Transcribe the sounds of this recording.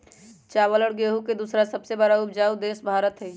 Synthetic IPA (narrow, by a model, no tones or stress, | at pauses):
t͡ʃaːwələɽɡeːɦuked̪usɾasəbsebəɾaʊpd͡ʒaːud̪eːsbʱaːɾət̪ɦɛ